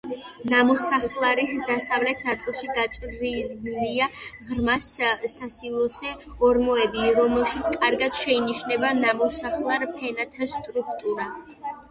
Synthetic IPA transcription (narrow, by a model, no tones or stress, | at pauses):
namɔsaχlˠaɾisd̪asavlɛt̪ʰnat̪sʼilˠʃiɡat͡ʃʼɾiliaʁɾmasːasilˠɔsɛ | ɔɾmɔɛbiɾɔmɛlˠʃit̪sʰkʼaɾɡad̪̥ʃɛiniʃnɛbanamɔsaχlˠaɾpʰɛnat̪ʰast̪ʼɾukʰt̪ʼuɾa